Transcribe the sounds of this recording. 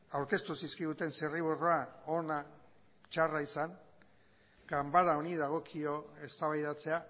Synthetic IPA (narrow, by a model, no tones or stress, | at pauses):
awɾke̞st̪usiskiɣut̪e̞nseriβuroao̞na | t͡ʃaraisaŋ | ɡambaɾao̞niðaɣ̞o̞kʰio̞e̞st̪aβajðat͡se̞a